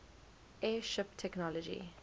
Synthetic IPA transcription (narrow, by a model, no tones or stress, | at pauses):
ʔɛːʃɪptʰɛknɔlɔd͡ʒḭ